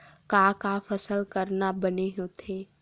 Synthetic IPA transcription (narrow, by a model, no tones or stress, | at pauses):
kaːkafɐsəlkəɾnabɐneɦõt̪ʰeː